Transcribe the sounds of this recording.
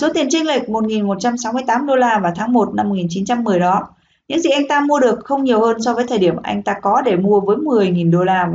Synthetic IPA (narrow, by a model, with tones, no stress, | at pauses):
so˨˦t̪i˨˩ənt͡ɕï˧ŋli˨˩k̟̚mo˨˩t̚ŋi˨˩nmo˨˩t̚t͡ɕa˧msa˨˦wmɨ˧əjt̪aː˨˦mɗo˧laː˧vaː˨˩t̪ʰaː˨˦ŋmo˨˩t̚na˧mːo˨˩ŋi˨˩nt͡ɕi˨˦nt͡ɕa˧mːɨ˨˩əjɗɔ˨˦ | ɲɨ̰˧˥ŋzḭ˨˩ʔa˧jŋ̟t̪aː˧mu˧əɗɨ˨˩ək̚xə˧wŋ͡mɲi˨˩əwhəː˧nsɔ˧vəː˨˦jt̪ʰəː˨˩ɗi˧˩əmʔa̰˧jŋ̟t̪aː˧kɔ˨˦ɗe˧˩mu˧əvəː˨˦jmɨ˨˩əjŋi˨˩nɗo˧laː˧